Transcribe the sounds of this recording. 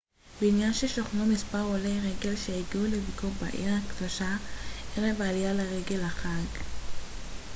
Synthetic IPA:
beinjanʃeʃoχnomispaʁoleʁeɡe̞lʃeiɡiulevikoʁba̰ʔḭʁakd̪̥oʃaʔeʁevaːlijaleʁeɡe̞laχaɡ

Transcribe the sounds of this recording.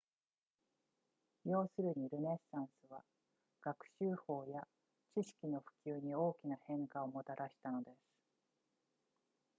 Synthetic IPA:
jo̞ːsɨɾɯ̟ɲ̟iɾɯ̟ne̞sːãɰ̃sɨβ̞a | ɡ̥akɯ̟̥ɕɨːho̞ːja | t͡ɕiɕi̥kʲino̞ɸɯ̟̥kʲɨːɲ̟io̞ːkʲinahẽ̞ŋkao̞mo̞t̪aɾʔaɕi̥t̪ano̞d̪e̞sɨ̥

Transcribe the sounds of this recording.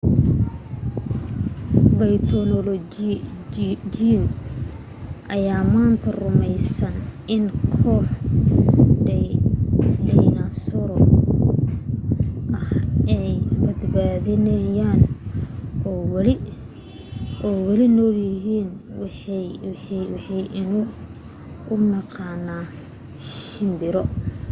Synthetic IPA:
bɐjt̪ʰɔlɔlɔ | d͡ʒin | ʔɐjaːmaːnt̪ʰɐrʊmɛjsɐnʔɪnkʰɔːħ | ɖɛ | lɛjnasɔɾɔ | ʔɐhɛjbɐd̪baːðɪnɐjaːn | ɔːwlɪ | ʔɔːwɐlɪnɔːljɪɦiːnw | ħwɑħɑjʔɪnʊ | ʊnɑqɑːnaː | ʃɪmbɪɾɔ

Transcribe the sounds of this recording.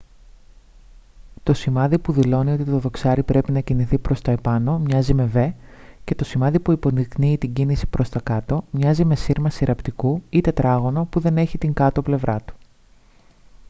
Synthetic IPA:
t̪o̞simɐðipuðilo̞nio̞t̪it̪o̞ðo̞ksɐɾipɾe̞pinɐciniθipɾo̞st̪ɐepɐno̞mɲɐzime̞ve̞ce̞t̪o̞simɐðipuipo̞nikniːt̪iɲɟinisi̥pɾʔo̞st̪ɐkɐt̪o̞mɲɐzime̞siɾmɐsiɾʔɐpt̪ikuit̪e̞t̪ɾɐɣo̞no̞puðe̞ne̞çit̪iŋɡɐt̪ople̞vɾɐt̪u̥

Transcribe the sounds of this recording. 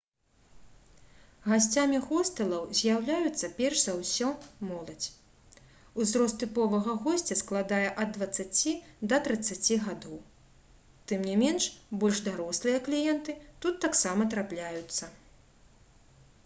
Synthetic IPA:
ɣasʲt͡sʲamʲixɔst̪ɐlˠɐwzʲjawlʲajut̪sːɐpʲɛrʂzawsʲɔmɔlˠɐd͡zʲ | uzɾɔst̪t̪ɨpɔvɐɣɐɣɔsʲt͡sʲɐsklˠad̪ajɛʔɐd̪ːvɐt̪sːat͡sʲid̪ɐt̪ɾɨt̪sːat͡sʲiɣad̪ɔw | t̪ɨmnʲimʲɛnʂbɔlʲʐd̪aɾɔslˠɨjɐklʲijɛnt̪ɨt̪ut̪ːaksamɐt̪ɾaplʲajut̪sːɐ

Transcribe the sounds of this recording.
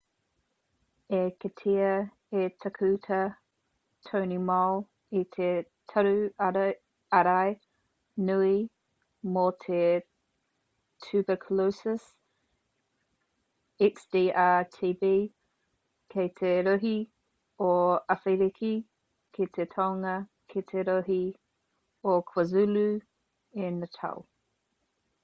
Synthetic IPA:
ekʰətʰiɐ | etʰɐkʰʉtʰə | tʰownimal | itʰe | tʰɐɾʉ | ɐɾaj | nui | motʰe | tʰʉbəkʰəlosəs | iksd̥iːʔaːtʰiːbiː | kʰejt̪ʰeɾoɦi | oɐfejɾikʰi | kʰetʰetʰawŋɐkʰetʰeɾoɦi | okʰwəzʉlu | ɪnətʰɐ̰w

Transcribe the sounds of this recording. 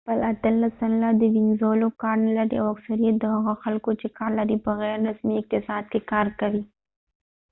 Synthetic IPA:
pəlat̪əlːasanlad̪əwɪŋzolokɑɾnalaɾiawaksaɾijat̪̚d̪əhaɣaxalkot͡ʃekɑɾlaɾipəɣɛɾːasmiɪk̚t̪ɪsɑd̪kekɑɾkawi

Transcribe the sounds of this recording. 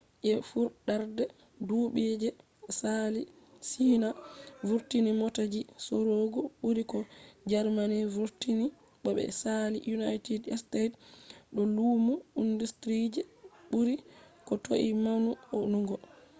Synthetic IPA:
ʔɛfuɾɗaɾdɛ | duɓed͡ʒɛ | sali | sinavuɾtinimɔtad͡ʒisɔɾoɡɔɓuɾikɔd͡ʒaɾmanivuɾtini | ɓɔɓɛ̰saliʔjunajtidɛ̰stetɗɔluːmuindustɾid͡ʒɛɓuɾikɔtoʔimanuɔnuŋɡɔ

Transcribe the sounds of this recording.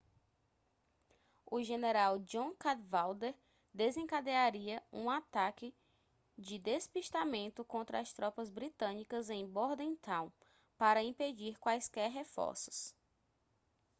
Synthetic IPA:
ʊʒeneɾawd͡ʒõkad̪vawd̪eɾ | d̪ezẽŋkad̪eaɾiɐũat̪akɪ | d͡ʒɪd̪espiʃt̪amẽnt̪ʊkõnt̪ɾɐːst̪ɾɔpɐzbɾit̪ɐ̃nikɐzẽj̃bɔɾd̪ɐẽt̪ãw̃ | paɾɐĩped͡ʒiɾkwajskɛɾɦefɔ̰ɾsʊ̥s

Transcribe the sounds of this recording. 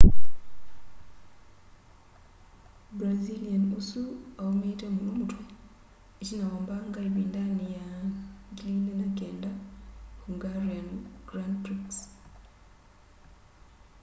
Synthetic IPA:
bɾazilianusuawometemuumutʰo | ecinawoːmbaŋɡaliβiːndanijaɡilinenakeːndakuŋɡaɾenɡ̥ɾandtɾiks

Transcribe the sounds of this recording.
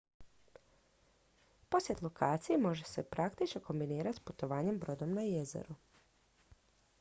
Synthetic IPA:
po̞sje̞t̪lˠo̞kʰaːt̪sijemo̞ʒe̞se̞pɾakt̪it͡ʃnoko̞mbiniːɾat̪sput̪o̞ʋaːɲe̞mbɾo̞d̪o̞mnajezḛɾu

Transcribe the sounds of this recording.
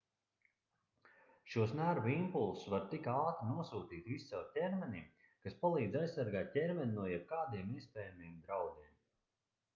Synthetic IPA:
ʃuɔsnaːɾvimpulˠsvaɾt̪ikaːt̪inuɔsuːt̪iːt̪vist̪sɛltʲɛɾmɛnim | kaspalˠiːd̪zajssaɾɡaːt̪̚tɛɾmʲɛnʲunuɔjɛb̚kaːd̪iɛmiɛspʲɛːjamijɛmd̪ɾawd̪iɛm

